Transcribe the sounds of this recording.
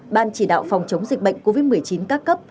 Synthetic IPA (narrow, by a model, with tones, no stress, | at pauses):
ɓaː˧nt͡ɕi˧˩ɗa̰ː˧˨wfɔ˨˩wŋ͡mt͡ɕə˨˦wŋ͡mzi˨˩k̚ɓə̰˧˨jŋ̟ko˧vi˦˥t̚mɨ˨˩əjt͡ɕi˨˦nkaː˦˥kːə˦˥p̚